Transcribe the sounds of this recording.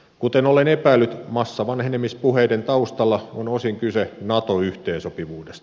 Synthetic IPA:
kut̪enolenepæilːyt̪mɑsːɑʋɑnhenemːispuheident̪ɑust̪ɑlːɑonosiŋkysenɑt̪oyht̪eːnsopiʋuːdest̪

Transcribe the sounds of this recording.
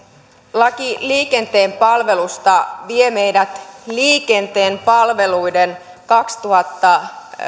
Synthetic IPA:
lɑkiliːke̞nt̪e̞ːmpɑlʋe̞lust̪ɑʋieme̞jdæt̪liːke̞nt̪e̞ːmpɑlʋe̞lujden | kɑkst̪uhɑt̪ːɑ

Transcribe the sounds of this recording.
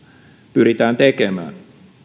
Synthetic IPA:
pyɾit̪æːnt̪ekemæ̰ːn

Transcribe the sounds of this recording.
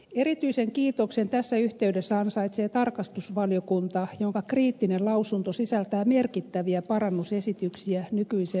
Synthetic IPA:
erit̪yiseŋkiːt̪oksent̪æsːæyht̪eydesːæɑnsɑit̪seːt̪ɑrkɑst̪usʋɑljokunt̪ɑjoŋkɑkriːt̪ːinelɑusunt̪osisælt̪æːmerkit̪ːæʋiæpɑrɑnːusesit̪yksiænykyise

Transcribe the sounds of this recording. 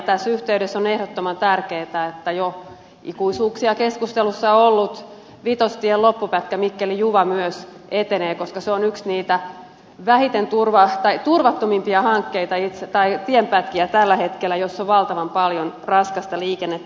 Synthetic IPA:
t̪æsːyht̪eyɾesːonehɾot̪ːomɑnt̪ærkeːt̪æet̪ːæjo | ḭkuisuːksiɑkeskust̪elusːɑoolːut̪ | ʋit̪ost̪ielopːupæt̪kæmikːelijuʋɑmyøs | et̪eneːkoskɑseonyksniːt̪æ | ʋæhit̪ent̪urʋɑt̪ɑit̪urʋɑt̪ːomimpiɑhɑŋkːeit̪ɑit̪set̪ɑit̪iempæt̪kiæt̪ælːæhet̪kelːˑæjosːoʋʋɑlt̪ɑʋɑmpɑljonrɑskɑst̪ɑliːkenːet̪ː

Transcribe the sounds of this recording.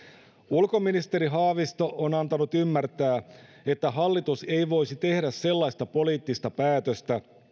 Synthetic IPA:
ulko̞minist̪e̞ɾiɦɑːʋist̪oʔonɑnt̪ɑnut̪ymːært̪æː | e̞t̪ːæɦɑlːit̪use̞jʋo̞jsit̪e̞hdæsːe̞lːɑist̪ɑpo̞liːt̪ːist̪ɑpæːt̪øst̪æ

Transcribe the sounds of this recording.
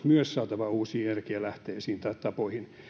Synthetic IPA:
myøssɑːt̪ɑʋɑuːsiːjærkiælæht̪eːsiːnt̪ɑtt̪ɑpoihin

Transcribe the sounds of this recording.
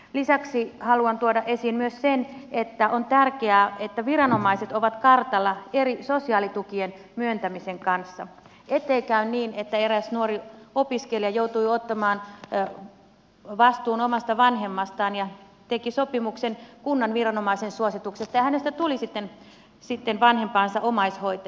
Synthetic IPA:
lisɑksihɑluɑnt̪uodɑʔesiːnmyøssenet̪ːæʔont̪ærkeæːet̪ːæʋirɑno̞mɑiset̪oʋɑt̪kɑrt̪ɑlːɑeɾisosiɑːlit̪ukien | myønt̪æmiseŋkɑnsːɑ̰ | et̪ːˑeikæynniːnet̪ːæeɾæsnuoɾiopiskeljɑjout̪uiot̪ːɑmɑːn | ʋɑst̪uːnomɑst̪ɑʋɑnhemːɑst̪ɑːnjɑ | t̪ekisopimuksenkunːɑnʋirɑnomɑisensuosit̪uksest̪ɑjɑhænest̪æt̪ulisit̪ːen | sit̪ːenʋɑnhempɑːnsɑʔomɑishoit̪ɑ

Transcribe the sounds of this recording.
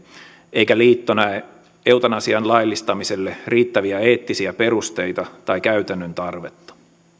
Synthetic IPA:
ʔeijkæliːt̪ːonɑ | ewt̪ɑnɑsiɑnlɑjlːist̪ɑmise̞lːeriːt̪ːæʋiæeːt̪ːisiæpe̞ɾust̪e̞jt̪ɑt̪ɑjkæyt̪ænːønt̪ɑrʋet̪ːɑ̥

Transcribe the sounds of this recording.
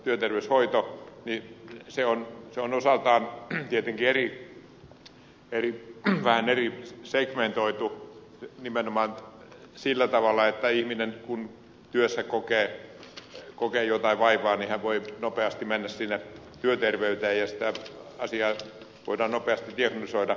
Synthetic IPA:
t̪yøt̪erʋeyshoit̪oniseonseonosɑlt̪ɑːnt̪iet̪eŋkieri | eriʋæhænerisekment̪oit̪u | nimenomɑːn | silːæt̪ɑʋɑlːˑɑet̪ːæihminenkun | t̪yøsːækokeː | kokeːjot̪ɑiʋʋɑiʋɑːnihæʋʋoinopeɑst̪imenːæssinːe | t̪yøt̪erʋeyt̪eːjjɑsi̥t̪æɑsiɑː | ʋo̰idɑːnnopeɑst̪it̪iɑknolisoidɑ

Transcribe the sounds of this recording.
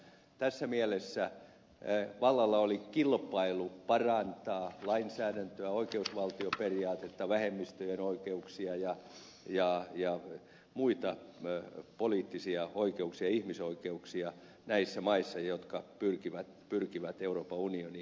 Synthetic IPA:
t̪æsːæmiælesːæ | ʋɑlːɑlːɑolikilpɑilupɑrɑnt̪ɑːlɑinsæːɾænt̪øæoikeusʋɑlt̪ioperiɑːt̪et̪ːɑʋæhemːist̪øjenoikeuksiɑjɑ | jɑjɑ | muit̪ɑ | poliːt̪ːisiɑoikeuksiɑihmisoikeuksiɑ | næisːæmɑisːɑjot̪kɑpyrkiʋæt̪pyrkiʋæt̪euroːpɑunioni

